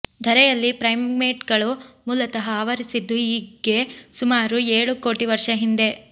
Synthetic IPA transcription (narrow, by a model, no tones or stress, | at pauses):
d̪ʱɐɾɛjɐlːipɾɐjmmeːʈɡɐɭumuːlɐt̪ɐɦɐaːʋɐɾisid̪ːuiːɡe̞sumaːɾueːɭuko̞ːʈiʋɐɾʂɐɦind̪e̞